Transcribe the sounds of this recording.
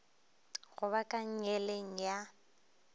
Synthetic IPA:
ɣʊβakʼaŋ̩ɲɛleŋ̩ja

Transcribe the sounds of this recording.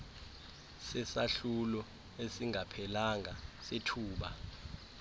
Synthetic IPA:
sɛsaɬulɔ | esiŋʱapʰɛlaŋʱasetʰuːɓa̰

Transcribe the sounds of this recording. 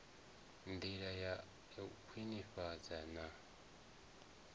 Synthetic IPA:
nd̪iɺaja | kʰiniɸad͡zana

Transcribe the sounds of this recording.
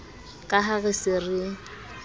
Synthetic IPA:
kʼaɦaɣɪsɪrɪ

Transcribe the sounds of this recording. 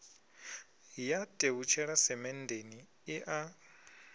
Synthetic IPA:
jatʼeβut͡ʃʰɛɺasɛmɛndʱeniː | ʔa

